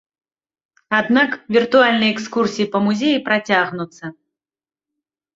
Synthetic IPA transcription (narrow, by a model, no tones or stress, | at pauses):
ad̪nakvʲirt̪ualʲnɨjɛkskursʲijipɐmuzʲejipɾat͡sʲaɣnut̪sːɐ